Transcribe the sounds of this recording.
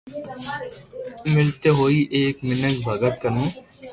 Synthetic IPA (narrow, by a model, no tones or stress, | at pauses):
mɪlt̪eːɦoːiːʔeːkmɪnəsbʱəɡət̪̚kənũː